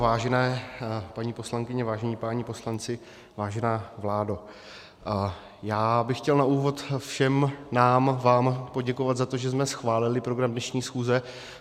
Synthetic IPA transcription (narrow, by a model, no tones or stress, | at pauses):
vaːʒɛnɛːpaɲiːpo̞slaŋkɪɲɛvaːʒɛɲiːpaɲipo̞slant͡sɪ | vaːʒɛnaːvlaːdo | jaːbɪxcɛlnaʔuːvo̞t̪fʃɛmnaːmvaːmpo̞ɟɛkovat̪zat̪o̞ʒɛzmɛsxvaːlɪlɪpɾo̞ɡɾamdnɛʃɲiːsxuːzɛ